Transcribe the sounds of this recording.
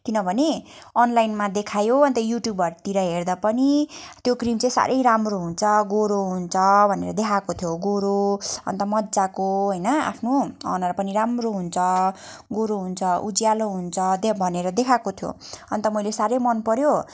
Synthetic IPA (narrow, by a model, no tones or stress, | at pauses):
kinʌbʱʌne | ʌnlajnmad̪ekʰajoʌnt̪ʌjuʈjubʌrt̪iɾʌɦerd̪apʌnit̪jokrimt͡sãĩsa̰ɾʔʌjɾamroɦunt͡sʰʌɡoɾoɦunt͡sʰʌbʱʌnḛɾʌd̪ekʰakot̪ʰjoɡoɾoʌ̰nt̪ʌmʌd̪d͡zakoɦʌjnʌa̰pʰnoʌ̰nʌɾpʌniɾamroɦunt͡sʰʌ | ɡoɾoɦunt͡sʰʌʔud͡zijaloɦunt͡sʰʌd̪bʱʌneɾʌd̪ekʰakot̪ʰjo̰ʌnt̪ʌmʌjlesaɾʌjmʌnpʌɾjo